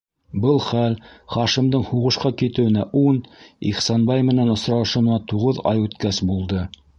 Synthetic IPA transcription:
bɤlˠχælχɑʃimd̪ɤɴhuʁɤ̆ʃqɑkit̪ɘ̆wɘ̆næʔunḭχsɑnbɑjmɘ̆nænŏsɾɑ̆ʃɤ̆wnɑt̪uʁɤðɑ̰jʉt̪kæsbulˠd̪ɤ

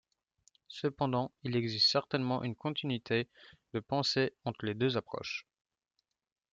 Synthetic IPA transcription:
səpɑ̃d̪ɑ̃ilɛɡzist̪sɛʁt̪ɛnmɑ̃ʔynkɔ̃t̪ʰinɥit̪ʰed̪əpɑ̃seɑ̃t̪χəled̪øzapχɔ̰ʃ

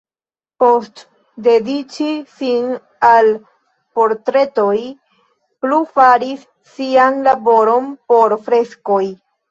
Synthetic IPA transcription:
po̞st | de̞dit͡ʃisin | al | po̞ɾtɾe̞to̞j | plufaɾisː | ianlabo̞ɾo̞npo̞ɾfɾe̞skoj

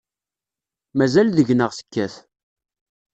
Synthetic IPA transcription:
mæzælðəʝnəʁsə̥kːæθ

